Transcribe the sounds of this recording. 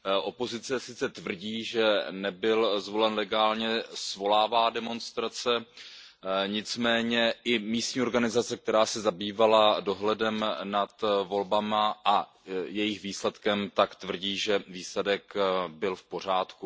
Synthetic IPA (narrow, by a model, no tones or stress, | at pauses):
ʔo̞po̞zɪt͡sɛsɪt͡sɛt̪vr̩ɟiːʒɛnɛbɪlzvo̞lɛnlɛɡaːlɲɛsvo̞laːvaːdɛmo̞nst̪ɾat͡sɛ | ɲɪt͡smɛːɲɛʔɪmiːst̪ɲiːo̞ɾɡanɪzat͡sɛk̚t̪ɛɾaːsɛzabiːvalado̞ɦlɛdɛmnat̪vo̞lbamaʔa | jɛjɪxviːslɛt̪kɛmt̪akt̪vr̩ɟiːʒɛviːslɛdɛkbɪlfpo̞r̝aːt̪ku